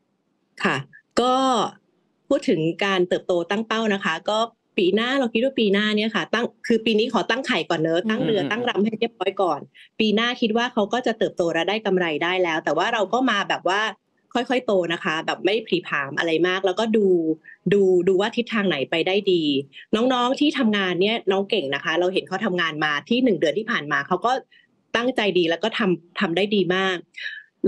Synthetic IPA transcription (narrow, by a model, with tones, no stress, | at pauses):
kʰa˥˩kɔː˥˩ | pʰuː˥˩t̪ʰːɯ˩˦ŋkaː˧nt̪ɤː˨˩p̚t̪oː˧t̪a˥˩ŋp̪a˥˩wna˦˥kʰa˦˥kɔː˥˩ | piː˧naː˥˩lɔ˧ŋkʰi˦˥t̪̚waː˥˩piː˧naː˥˩ni˦˥˩ɐkʰa˥˩t̪a˥˩ŋkʰɯː˧piː˧niː˦˥kʰɔː˩˦t̪a˥˩ŋkʰa˨˩jkɔː˨˩nːɤ˦˥t̪a˥˩ŋɾɯ˧ɐt̪a˥˩ŋɾa˧mha˥˩jɾi˥˩əp̚ɾɔː˦˥jkɔː˨˩npiː˧naː˥˩kʰi˦˥t̪̚waː˥˩kʰa˦˥wkɔː˥˩t͡ɕa˨˩ʔt̪ɤː˨˩p̚t̪oː˧ɾa˧daː˥˩jka˧mɾa˧jdaː˥˩jlɛː˦˥wt̪ɛː˨˩waː˥˩ɾa˧wkɔː˥˩maː˧bɛː˨˩p̚waː˥˩ | kʰɔ˥˩jkʰɔ˥˩jt̪oː˧na˦˥kʰa˦˥bɛː˨˩p̚ma˥˩jpʰɾiː˨˦p̪ʰaː˩˦mʔa̰˧ɾa˧jmaː˥˩k̚lɛː˦˥wkɔː˥˩duː˧duː˧duː˧waː˥˩t̪ʰi˦˥t̪ʰːaː˧ŋna˩˦jpa˧jdaː˥˩jdiː˧nɔː˦˥ŋnɔː˦˥ŋt̪ʰiː˥˩t̪ʰa˧mŋaː˧nːi˥˩ɐnɔː˦˥ŋke˨˩ŋna˦˥kʰa˦˥ɾa˧wɦe˨˩˦nkʰa˦˥wt̪ʰa˧mŋaː˧nmaː˧t̪ʰiː˥˩nɯ˨˩ŋdɯ˧ənt̪ʰiː˥˩pʰaː˨˩nmaː˧kʰa˦˥wkɔː˥˩ | t̪a˥˩ŋt͡ɕa˧jdiː˧lɛː˦˥wkɔː˥˩t̪ʰa˧mt̪ʰa˧mdaː˥˩jdiː˧maː˥˩k̚